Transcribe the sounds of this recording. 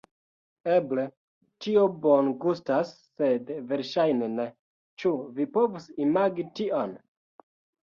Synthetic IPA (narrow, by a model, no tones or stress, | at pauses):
eble | tiobonɡustasːe̞dve̞ɾʃajnene̞ | t͡ʃuvipo̞vusimaɡitiʔon